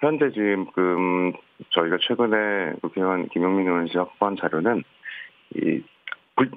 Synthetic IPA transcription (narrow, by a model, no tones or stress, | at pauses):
çjʌnd͡ʑed͡ʑiɯmkɯmt͡ɕʌiɡat͡ɕʰwe̞ɡɯne̞kukʰiankimjoŋminʌnɕʰihwak̚p͈oɦant͡ɕaɾjonɯn | ḭ | puɭ